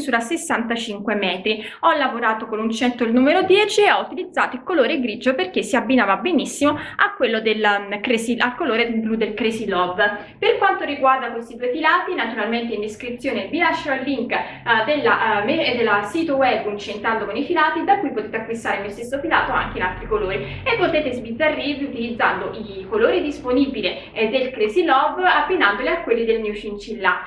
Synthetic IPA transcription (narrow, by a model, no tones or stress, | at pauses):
zuːɾasesːant̪at͡ʃiŋkwemɛːt̪ɾi | ɔlːavoɾaːt̪okonunt͡ʃɛnt̪oilnuːmeɾod̪jɛːt͡ʃieɔut̪ilid̪zːaːt̪oilkoloːɾeɡɾid͡ʒoperk̟esːiabːinaːvabenisːimoakːwelːod̪elkɾesialkoloːɾed̪eblud̪elkɾesilɔbː | perkwant̪oɾiɡward̪akwest̪id̪uejfilaːt̪inat̪uɾalment̪eind̪eskɾit̪sjoːneb̪ilaʃːeɾoalːiŋk | d̪elːa̰med̪ːelːasit̪owɛbːunt͡ʃent̪ɾand̪okonifilaːt̪id̪akːujpot̪eːt̪eakːwist̪aːɾemiost̪esːofilaːt̪oa̰ŋk̟einalt̪ɾikoloːɾi | epːot̪eːt̪ezbid̪zarːiviut̪ilid̪zːand̪oʔikoloːɾid̪isponibile | d̪ːelkɾesilɔbːabːinand̪oleakːwelːid̪elnjut͡ʃint͡ʃilːa